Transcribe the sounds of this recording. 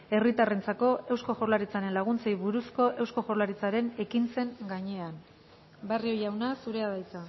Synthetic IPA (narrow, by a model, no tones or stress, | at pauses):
e̞rit̪are̞nt͡sako̞e̞wsko̞ʝoɾlaɾit͡saɾe̞nlaɣ̞unt͡sejβuɾusko̞ʔe̞wsko̞xo̞ɾlaɾit͡saɾe̞ne̞kint͡se̞ŋɡaɲe̞an | bario̞jawnasuɾe̞aðajt͡sa